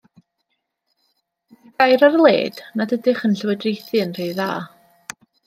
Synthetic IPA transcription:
ɡ̥ajɾarlˠḛːdnadədɪχənɬəwədrejθɨnrejða̰ː

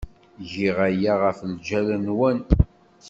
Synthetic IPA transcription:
ʝiʁæjaʁəfld͡ʒælənwæn

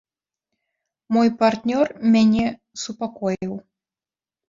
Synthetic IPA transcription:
mɔjpart̪nʲɔrmʲanʲɛ | supakɔjiw

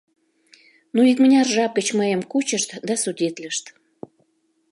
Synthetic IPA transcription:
nuik̚mənʲɑrʒɑp̚ɡət͡ɕməjəmkut͡ɕəʃt̪d̪ɑsudʲet̪ləʃt̪

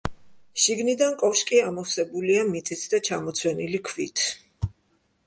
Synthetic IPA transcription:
ʃiɡnid̪ankʼɔfʃkʼiamɔfsɛbuliamit̪sʼisʰd̪at͡ʃʰamɔt̪sʰwɛnilikʰvit̪ʰ

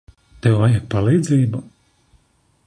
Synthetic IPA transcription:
t̪ɛwajɛkpalˠiːd̪ziːbu

